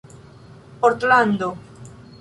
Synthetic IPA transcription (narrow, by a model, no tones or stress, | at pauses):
poɾt̪land̪o